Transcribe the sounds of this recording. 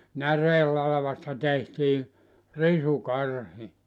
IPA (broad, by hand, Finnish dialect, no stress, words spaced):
næreːlːɑlɑ̆ʋɑstɑ tehtiː risukɑrhi